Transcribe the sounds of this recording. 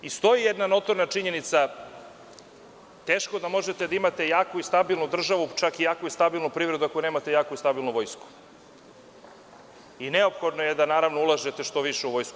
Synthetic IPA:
ist̪o̞jijed̪nano̞t̪oɾnat͡ʂiɲe̞nit̪sa | t̪eːʃkod̪amo̞ʒet̪ed̪aimat̪ejaːkoist̪abilˠnud̪r̩ʒaʋut͡ʃakijaːkoist̪abilˠnupɾiːvɾe̞d̪uakoneːmat̪ejaːkoist̪abilnuʋo̞jsku̥ | ineo̞pxo̞d̪nojed̪anaːɾaʋnoulˠaʒet̪e̞ʃt̪o̞ʋiʃeuʋo̞jsku

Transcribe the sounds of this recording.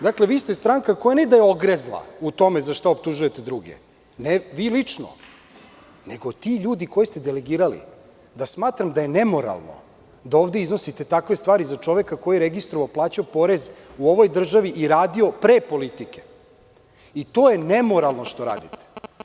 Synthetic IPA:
d̪akle̞ʋiːst̪e̞st̪ɾaŋkakojaned̪ajeoɡɾezlˠa̰ut̪o̞mezaʃt̪aop̚t̪uʒuje̞t̪ed̪ɾuɡḛ | neʋiːlit͡ʂno̰ | ne̞ɡo̞t̪iʎuːd̪iko̞jist̪ed̪ele̞ɡiːɾalḭ | d̪asmaːt̪ɾamd̪aje̞nemo̞ɾa̰lˠno̰ | d̪aoːʋd̪e̞izno̞sit̪e̞t̪akʋe̞st̪ʋaːɾizat͡ʂo̞ʋekako̞jiɾeɡist̪ɾoʋaplˠaːt͡ɕaopo̞ɾe̞zuoʋo̞jd̪r̩ʒaʋiʔiɾaːd̪io̞pɾepo̞lit̪ike̥ | it̪o̞ːje̞nemo̞ɾalˠno̞ʃt̪o̞ɾa̰ːd̪it̪e̥

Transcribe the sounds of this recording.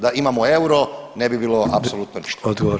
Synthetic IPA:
d̪aimamoe̞uɾonebibiːlˠoapsolˠut̪noni̥ʃt̪od̪ɡoo

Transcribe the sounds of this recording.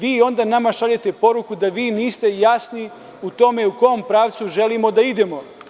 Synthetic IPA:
ʋiːo̞nd̪anamaʃaʎet̪e̞po̞ɾukud̪aʋiːniːst̪e̞jasni | ut̪o̞me̞uko̞ompɾaːʋt̪suʒe̞limo̞d̪aid̪e̞mo̞

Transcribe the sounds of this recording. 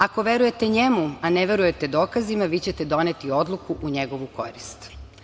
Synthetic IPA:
ako̞ʋeɾuje̞t̪eɲemuaneʋe̞ɾuje̞t̪e̞d̪o̞ːkazimaʋit͡ɕet̪ed̪o̞net̪io̞d̪lˠukuʔuɲeɡo̞ʋuko̞̰ɾist̪

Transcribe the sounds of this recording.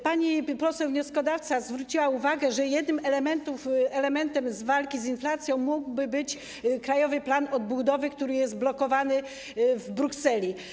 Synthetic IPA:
paɲipɔsɛwvɲɔskɔd̪aft̪sazvɾut͡ɕiwauvaɡɛʐɛjɛd̪nɘmɛlɛmɛnt̪ufɛlɛmɛnt̪ɛmzvalkʲizinflat̪sʲjɔ̃w̃muɡbɘbɘt͡ɕ | kɾajɔvɘplanɔd̪̚bud̪ɔvɘkt̪uɾɘjɛst̪̚blɔkɔvanɘ | vbɾuksɛlʲi

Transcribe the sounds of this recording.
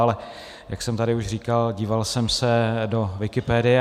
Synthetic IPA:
alɛ | jʔaksɛmt̪adɪuʃr̝iːkalɟiːvalsɛmsɛdo̞vɪkɪpɛːdɪɛ

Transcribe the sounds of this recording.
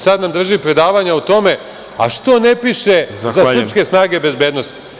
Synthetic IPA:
sad̪namd̪r̩ʒipɾe̞d̪aːʋaɲaut̪o̞me̞ | a̰ʃt̪o̞ne̞piʃe̞zasr̩pske̞snaːɡe̞be̞zbeːd̪no̞st̪i̥

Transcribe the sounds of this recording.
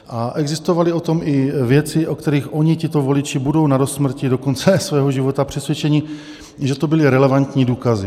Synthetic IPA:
ʔaʔɛɡzɪst̪ovalɪo̞t̪o̞mʔɪvjɛt͡sɪʔokt̪ɛɾiːxʔo̞ɲicɪt̪o̞vo̞lɪt͡ʃɪbudo̞wnaɾost̪ːmr̩cido̞ko̞nt͡sɛsvɛːɦoʒivo̞t̪apr̥ɛsvjɛt͡ʃɛɲɪ | ʒɛt̪obɪlɪɾɛlɛvant̪ɲiːduːkazɪ

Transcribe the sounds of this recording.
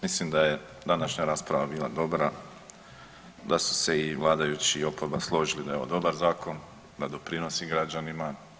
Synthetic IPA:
mislimd̪aje̞ | d̪anaʃɲaɾaːspɾaʋabiːlˠa̰d̪o̞bɾa | d̪asu̥se̞iʋlˠaːd̪ajut͡ɕio̞poɾbaslˠo̞ʒilid̪aeo̰d̪o̞baɾzaːko̞n | d̪ad̪o̞pɾino̞siɡɾad͡ʒanima

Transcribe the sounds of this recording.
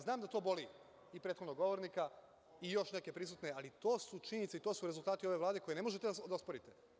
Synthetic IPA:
znaːmd̪at̪o̞ːbo̞li | ipɾet̪xod̪noɡo̞ʋo̞ɾnika | ijo̞ʃne̞ke̞pɾis̬uːt̪ne̞alit̪o̞ːsut͡ʃinit̪seit̪oːsuɾe̞zulˠt̪aːt̪io̞ʋe̞ʋlˠaːd̪e̞koene̞mo̞ʒet̪ead̪aospoɾit̪e

